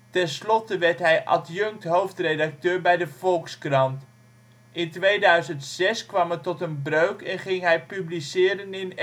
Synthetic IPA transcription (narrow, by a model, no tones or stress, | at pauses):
tɛnslɔtəʋɛɹtɦɛjʔɑ̰tjɵŋk̚tɦowftrejdɑk̚tøːɹbɛjdəvɔlˠkskrɑnt | ɪntʋejdœɥzəntsɛskʋɑmətɔtənbrøɥkɛnχɪŋɦɛjpyblisɪːɾənɪn